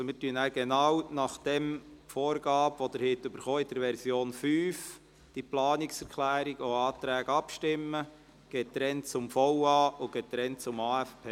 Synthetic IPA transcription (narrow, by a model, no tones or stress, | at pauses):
ɔmɪːɾtyənæɡ̥ɛnɑwnɑχd̥ɛmfɔːɾɡɑːbʋɔd̥̪əɾhɪtːʏbəɾχoːid̥əɾʋɛɾsjoːnfyːf | d̥iplɑːnɪksɛɾkʰlæːɾiɡoɑːt̪ɾæːɡ̥ɑpʃtɪmːə | ɡ̥eːt̚dɾɛnt͡sʊmfɔʊɑːʔʊɡ̥eːt̚ːɾɛnt͡sʊmɑːæfpʰeː